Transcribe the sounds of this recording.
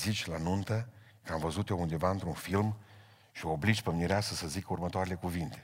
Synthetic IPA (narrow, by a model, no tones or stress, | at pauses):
zit͡ʃʲlanunt̪ə | kəamvəzut̪jound̪e̞vaɨnt̪ɾunfilm | ʃiooblid͡ʒpəmniɾeasəsəzikəurmət̪oaɾele̞kuvint̪e̞̥